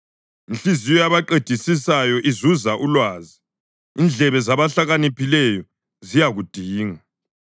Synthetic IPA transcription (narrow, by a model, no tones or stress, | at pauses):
inɬizijɔjaβaǃed̥ʱisisajɔʔizuzaʔulwaːzi | ind͡ɮʱɛβɛzaβaɬaɣanipʰilɛjɔ | zijaɣud̥ʱiːŋa